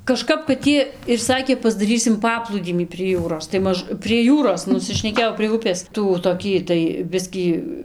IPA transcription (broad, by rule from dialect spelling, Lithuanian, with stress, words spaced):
kɐˈʃkɐp kɐt ˈjiɛ ɪr ˈsɑːkʲeː pɐzdɐˈrʲiːsʲɪm ˈpɑːplˠuːdʲiːmʲiː pʲrʲiɛ ˈjuːroːs tɐɪ ˈmɐʃ pʲrʲiɛ ˈjuːroːs nʊsʲɪʃʲnʲɛˈkʲeːjɛʊ pʲrʲiɛ ˈʊpʲeːs ˈtuː toːˈkʲiː tɐɪ ˈbʲɪsʲkʲiː